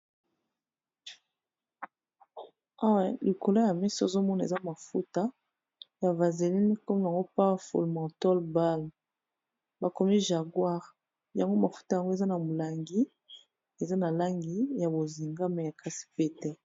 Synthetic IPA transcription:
a˦wa˦li˨ko˨la˦ja˨mɛ˦sɔ˦˨zo˦mɔ˦na˨e˨za˦ma˨fu˦ta˦ | ja˨va˨ze˨li˦ni˦kɔ˦m˦˨ja˨ŋɡo˦pa˦fo̰˨lmɑ̃˨tɔ˦lba˦l | ba˨ko˨mi˦ʒa˨ɡwa˦ʁ | ja˨ŋɡo˦ma˨fu̥˦ta˦ja˨ŋɡo˦e˨za˦na˨mo˨la˨ŋɡi˦ | e˨za˦na˨la˦ŋɡi˦ja˨bo˨zi˨ŋɡa˦mɛ˨ja˨kʰa˦si̥˨pe˦tɛ˦

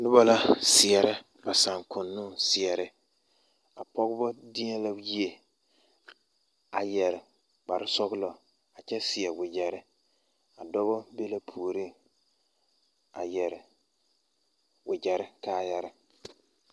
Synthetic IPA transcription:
dʊ˦bɔ˦la˦sɪ˨ɛ˨ɾɪ˦ | ba˨sa˨ŋkʰʊ˨nːʊ̃˦sɪ˨ɛ˨ɾɪ˦ | a˨pɔ˦ɡʊ˦bɔ˦dɪ˦ɛ˦la˦ji˦e˦ | a˨jɛ˨ɾɪ˨ | k͡pa˨ɾɪ˦sɔ˦ɡʊ˦lɔ˨ | a˨t͡ʃɛ˦sɪ˨ɛ˨wɪ˨d͡ʒɛ˨ɾɪ˦ | a˨dɔ˦bɔ˦be˦la˦pʰu˨o˨ɾi˦˨ŋ | a̰˨jɛ˨ɾɪ˨ | wɪ˨d͡ʒɛ˨ɾɪ˦kaː˦jɛ˦ɾɪ˨

